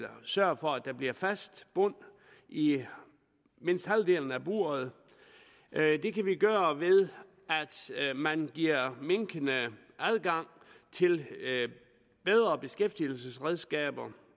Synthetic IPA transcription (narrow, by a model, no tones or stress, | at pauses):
lɐsɶɐ̰fɒ̽æ̥æ̈b̥liɐfæsd̥b̥ɔn̰ | i | me̝n̰sd̥hæld̥e̝̰ːln̩æb̥ṵɐð̞ˠ | d̥e̝kʰæʋiɡ̥ɶːɐʋe̝ðˠ | æd̥mænɡ̥iɐ̰me̝ŋɡ̥ʰənə | ʔæð̞ˠɡ̥ɑ̈ŋ̰ | t͡sʰe̝l | b̥eð̞ˠʁɐb̥e̝sɡ̥efd̥il̩səsʁɛð̞ˠsɡ̥ɛ̰ːb̥ɐ